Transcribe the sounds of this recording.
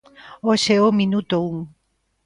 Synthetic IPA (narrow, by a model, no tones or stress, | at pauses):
oseominut̪ouŋ